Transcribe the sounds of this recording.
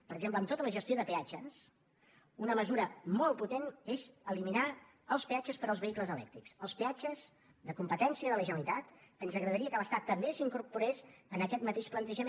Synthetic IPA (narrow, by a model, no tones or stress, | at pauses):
pəɾəɡʒempləmt̪ot̪ələʒəst̪ioðəpead͡ʒəs | unəməzuɾəmɔlˠput̪enezəlimina | əlˠspeat͡ʃəspəɾəlˠzβəikləzəlɛ̰kt̪ɾiksəlˠspead͡ʒəz | ðəkumpət̪ɛnsiəðələʒənəlit̪at̪ənzəɣɾəðəɾiəkələst̪at̪ːəmbesiŋkuɾpuɾesənəkɛt̪mət̪eʃplənt̪əʒəme